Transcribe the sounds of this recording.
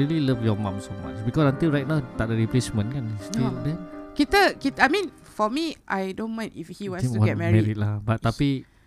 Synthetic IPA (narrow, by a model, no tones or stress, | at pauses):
ililəfjɔmãmsoma̰t͡ʃbikɔsnãnt̪iɹajt̚nãʊt̪adəɹiplesmə̃nkãnst̪ildɛ̃nkit̪əkit̪ajmĩn | fɔmiʔajdõnmãnifhiwãnsuɔ̃ɡɛt̚mɛɹmɛɹit̚lahbattːapi